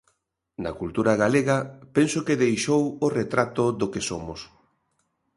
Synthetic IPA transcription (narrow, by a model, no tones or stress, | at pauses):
nɐ̰kult̪uɾaɣaleɣɐpensokeðejʃoworet̪ɾat̪oðokesomʊs